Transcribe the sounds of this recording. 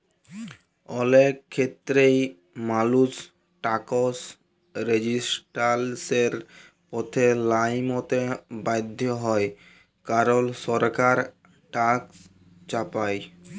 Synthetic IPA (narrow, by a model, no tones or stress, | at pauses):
ɔlekʰːet̪ːɾej | malus | ʈakos | ɾed͡ʑisʈalseɾ | pɔt̪ʰelajmot̪ebajd̪ʱːjoɦɔe | kaɾolʃɔɾkaɾ | ʈaks | t͡ɕapaj